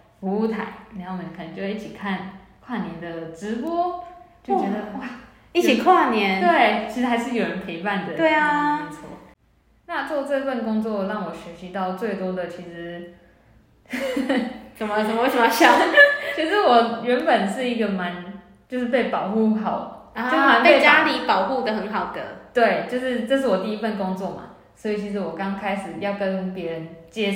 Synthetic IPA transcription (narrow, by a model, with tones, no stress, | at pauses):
fu˧˥u˥˩t̪ʰa˨˩˦ɪni˨˥˩mə˨˩˦kʰə˨nə˧˦ŋt͡ɕjo˥˧˥i˥˩t͡ɕʰi˨˩kʰa˥˩nkʰwa˥˩njɛ˨˥nd̪ə˨ʈ͡ʂɻ̩˧˦pwɔ˥t͡ɕjo˥˩ʊt͡ɕɥɛ˧˥d̪ə˧wa˥˩ | i˥˩t͡ɕʰi˨˩kʰwa˥˩njɛ˧˦nt̪we˥˩ɪt͡ɕʰi˧˥ʂ̩˧˥xa˧˥ɪʂ̬ɻ̩˥˩jo˨˩ɻə˧˦npʰi˧˦pa˥˩nd̪ə˨˩t̪we˥˩ɪa˧nt͡sʰɔ̰˥˩ | na˥˧t͡swɔ˥˧t͡sə˥˧fə˥˨nkʊ˥ŋt͡swɔ˥˨ɻɑ˥˩ŋwɔ˨˩ɕɥɛ˧˥ɕi˧˦˥t̪ɑ˥˧ʊt͡swe˥˩ɪt̪wɔ˥d̪ə˨t͡ɕʰi˧˥ʂɻ̩˧˦ | sə˨˩mə˦sə˨˩mə˦we˥˩ʂə˩m˧ɕjɑ˨˦ʊt͡ɕʰi˧˥ʂ̬ɻ̩˧˥wɔ˨˩ɥə˧˥npə˨˩nʂɻ̩˥˩i˧˥ɡə˨ma˧˦n | t͡ɕjo˥˧ʊʂɻ̩˥˧p̬e˥˩ɪpɑ˨˩ʊxu˥˧˥xɑ˨˩˦ʊjn˧˦˥e˥e˥˩t͡ɕja˦li˨˩pɑ˨˩ʊxu˥˩d̪ə˩xə˧˦nxɑ˨˩ʊd̪ə̰˦t̪we˥˩ɪt͡ɕjo˥˧ʊʂɻ̩˥˩ʈ͡ʂɤ˥˧ʂ̬̩˥˩wɔ˨˩t̪i˥˧i˦˥fə˥˩nkʊ˦ŋt͡swɔ˥˨ma̰˩ | swɔ˧˥i˨˩t͡ɕʰi˧˥ʂ̬̩˧˥wɔ˨˩kɑ˥˦ŋkʰa˥ɪʂɻ̩˨˩jɑ˥˩ʊkə˦npjɛ˧˥ɻə˨˦nt͡ɕjɛ˦